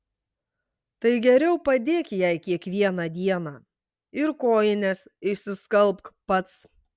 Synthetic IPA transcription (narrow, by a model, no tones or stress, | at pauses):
t̪ɐɪɡʲɛɾʲɛʊpɐd̪ʲeːkʲjɛɪkʲiɛkʋʲiɛnɑd̪ʲiɛnɑː | ɪɾkoːjɪnʲɛsɪʃʲsʲɪskɐlˠpkpɐt̪s